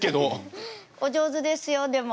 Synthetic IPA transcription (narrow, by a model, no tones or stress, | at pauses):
ked̪o | od͡ʑoːzɨd̪esɨjod̪em